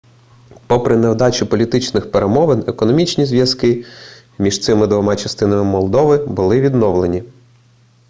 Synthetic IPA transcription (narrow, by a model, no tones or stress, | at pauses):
pɔpɾɪnewd̪ɑt͡ʃʲipɔlʲit̪ɪt͡ʃnɪxpeɾemɔʋenekɔnɔmʲit͡ʃnʲizʋʲjɐskɪ | mʲiʃt̪sɪmɪd̪ʋɔmɑt͡ʃɐst̪ɪnɐmɪmɔlˠd̪ɔʋɪbʊlˠɪʋʲid̪nɔʋlˠenʲi